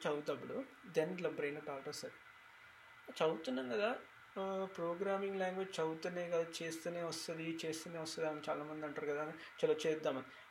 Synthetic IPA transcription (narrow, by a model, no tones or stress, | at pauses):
t͡ʃɐwt̪ɐbːuɽu | d̪enlɐbɾejnɐʈaːlʈɐsɐɾi | t͡ʃɐwt̪unːɐnkɐd̪a | pɾoːɡɾaːmiŋɡlaːŋɡʋed͡ʒt͡ʃɐwt̪uneːkɐd̪aːt͡ʃeːst̪uneːʋɐst̪ɐd̪it͡ʃeːst̪uːneːʋɐst̪ɐd̪aːnt͡ʃa̰ːlaːmɐnd̪iɐɳʈaːɾukɐd̪aːne | t͡ʃɐlɐt͡ʃɛːd̪ːaːmɐni